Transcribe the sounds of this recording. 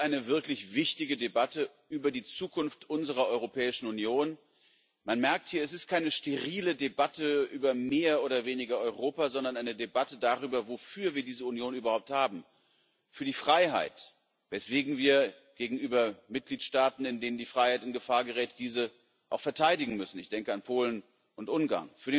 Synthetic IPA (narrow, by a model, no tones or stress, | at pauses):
ʔaɪnəvɪɐklɪçv̥ɪçtɪɡədebatə | ʔyːbɐdiːt͡suːkʊnftʔʊnzəʁ̞ɐʔɔʏʁopʰɛːɪʃn̩unjoːn | manmɛɐk̚thiːɐɛs̬ɪst̚kʰaɪnəʃteʁiːlədebatəʔyːbɐmeːɐʔoːɾɐveːnɪɡɐʔɔʏʁoːpazɔndɐnʔaɪnədebatədaːʁyːbɐvofyːɐviːɐdiːzəunjoːnʔyːbɐhaʊp̚thaːbm̩ | fyːɐdiːfʁ̥aɪɦa̰ɪt | vɛsv̥eːɡŋ̩viːɐ | ɡ̥eːɡŋ̩ʔyːbɐmɪt̚ɡ̥liːtʃtaːtn̩ɪndeːnəndiːfʁ̥aɪhaɪtʊntɡ̥əfaːɐɡəʁɛːtəd̥iːzə | ʔaʊxfɛɐtʰaɪdɪɡŋ̩mʏsn̩ɪçd̥ɛŋkəanpʰoːlən | ʔʊntʔʊnɡa̰ːɐnfyːɐɾe